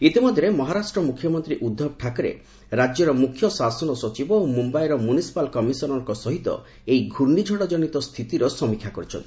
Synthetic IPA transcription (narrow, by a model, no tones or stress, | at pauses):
it̪imɔd̪ʱjɾemɔɦaɾasʈɾɔmukʰjɔmɔnt̪ɾiʔud̪ʱːɔb̚ʈʰakɔɾḛ | ɾad͡ʒjɔɾɔmukʰjɔsasɔnɔsɔt͡ʃibɔomumbajɾɔmunisi̥palkɔmisɔnɔŋkɔsɔɦit̪ɔ̰ | ejɡʱuɾnid͡ʒʱɔɽɔd͡ʒɔnit̪ɔst̪ʰit̪iɾɔsɔmikʰːjakɔɾit͡ʃʰɔ̰nt̪i